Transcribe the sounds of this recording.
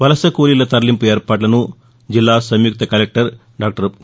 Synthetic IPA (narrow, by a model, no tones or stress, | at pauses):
ʋɐlɐsɐkuːlilɐt̪ɐɾɐlimpueːɾpaːʈlɐnu | d͡ʒilːaːsɐmjuk̚t̪ɐkɐlek̚ʈɐɾ | ɖaːk̚ʈɐɾ